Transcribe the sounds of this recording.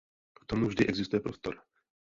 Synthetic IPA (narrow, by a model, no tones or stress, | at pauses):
ft̪omuvʒdɪʔɛɡzɪst̪ujɛpɾost̪o̰ɾ